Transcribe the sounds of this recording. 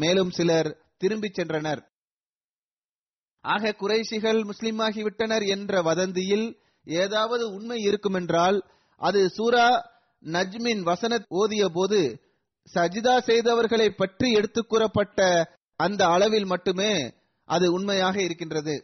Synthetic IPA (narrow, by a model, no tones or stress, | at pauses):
meːlɯmsɪlɐɾ | t̪ɪɾɯmbɪt͡ʃːɛndrɐnɐɾ | ʔaːɣɐkʊɾɐɪʂɪɣɐɭmʊslɪmaːɣiʋɪʈːɐnɐɾɛndrɐʋɐðɐnd̪ɪjɪl | eːðaːʋɐðɯʊɳmɐɪɪɾɯkːɯmɛndraːl | ʔɐðɯsuːɾaː | nɐd͡ʒmɪnʋɐsɐnɐt̪oːðɪjɐp̬oːðɯ | sɐd͡ʒðaːsɛjðɐʋɐɾɣɐɭɐɪpːɐʈriɛɽɯt̪ːɯkːuːɾɐpːɐʈːɐ | ɐnd̪ɐːɭɐʋɪlmɐʈːɯmeː | ʔɐðɯʊɳmɐjaːɣɐɪɾɯk̬ːɪndrɐðɯ